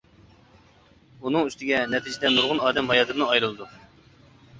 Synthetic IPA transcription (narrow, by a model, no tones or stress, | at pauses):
unɨŋyst̪ɪɡʲɛnɛt̪ʰid͡ʒɪd̪ɛnuɾʁʊnɑːd̪ɛmɑjɑd̪ɨɾnɨɑjɾɨlˠɨd̪u